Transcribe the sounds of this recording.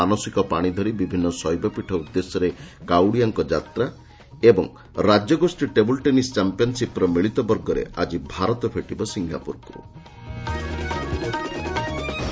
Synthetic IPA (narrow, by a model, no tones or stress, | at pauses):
anɔsikɔpaɽ̃id̪ʱɔɾibibʱinːɔsɔjbɔpiʈʰɔud̪ːesɔɾekawɽijaŋkɔd͡ʒa̰t̪ɾa | ebɔ̰ŋ | ɾad͡ʒjɔɡosʈiʈebɔlʈenist͡ʃampijɔnsipɾɔmiɭit̪ɔbɔɾɡɔɾḛad͡ʒibʱaɾɔt̪ɔpʰeʈibɔsiŋɡa̰puɾkṵ